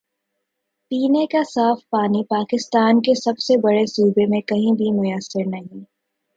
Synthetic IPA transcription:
piːnekasaːfpaːnipaːkɪst̪aːnkesɐbsebɐɽesuːbemẽkɐɦĩbʱimʊjəsːɪɾnɐɦĩ

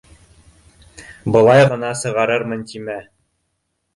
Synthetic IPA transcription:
bɤ̆lˠɑjʁɤ̆nɑsɤ̆ʁɑɾɤɾmɤ̆nt̪ʲimæ

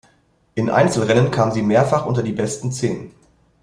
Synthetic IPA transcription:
ʔɪnʔa̰ɪnt͡sl̩ʁɛnənkʰaːmziːmeːɐfaχʔʊntɐdiːbɛstn̩t͡seːnən

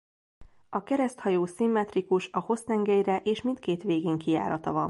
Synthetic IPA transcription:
ɒkɛɾɛst̪hɒjoːsimːɛt̪rikuʃɒho̞st̪ɛŋɡɛjrɛʔeːʃmint̪̚keːt̪ʋeːɡeːŋkija̰ːɾɒt̪ɒvɒ̰n

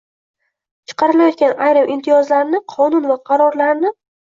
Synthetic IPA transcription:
t͡ʃʰɨ̥qʰɑɾɪlajɒt̪̚kʲanajɾɪmʔɪmt̪ʰɪjɒzlaɾnɪqʰɒnʊnvaqʰɑɾɒɾlaɾnɪ

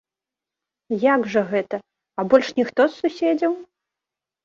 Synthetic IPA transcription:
jaɡʐɐɣɛt̪ɐ | ɐbɔlʲʂnʲixt̪ɔssusʲed͡zʲɐw

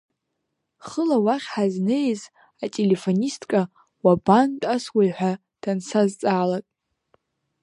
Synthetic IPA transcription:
χəlawaχʲħaznejz | atʼele̞fonistʼkʼa | wabantʼaswajħʷᶣa | d̥ansazt͡sʼaːlatʼ

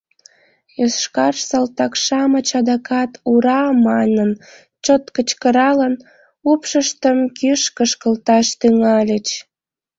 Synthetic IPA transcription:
jøsʃkɑrʃsɑlt̪ɑkʃɑmət͡ɕɑd̪ɑkʰɑt̪uɾɑmɑnən | t͡ɕot̪kət͡ɕkəɾɑlən | upʃəʃt̪əmkyʃkəʃkəlt̪ɑʃt̪yŋɑlʲət͡ɕ

